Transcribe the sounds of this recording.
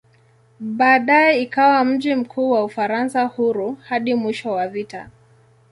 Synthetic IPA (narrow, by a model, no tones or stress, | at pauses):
ɓaːɗaɛikawam̩ʄim̩kʰuːwaufaɾansahuɾuhaɗimwiʃɔwavita̰